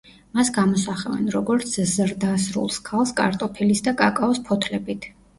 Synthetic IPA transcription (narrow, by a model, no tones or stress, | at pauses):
masɡamɔsaχɛvɛ̰nɾɔɡɔɾt̪sʰzɾd̪asɾṵlˠskʰalˠskʼa̰ɾt̪ʼɔpʰilisd̪akʼakʼaɔspʰɔt̪ʰlɛbit̪ʰ